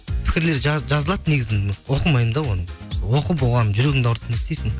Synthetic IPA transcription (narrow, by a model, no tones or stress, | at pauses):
pʰɪ̥kʲɪɾle̞ɾʒʒɑzəlˠɑd̪əne̞ɡʲɪzɪnwo̞qəmɑjmd̪ɑwo̞nəwo̞qəbolˠʁɑnəʒʏɾeɡʲɪŋd̪ɑwʊɾt̪ʰɑnɪst̪esɪŋ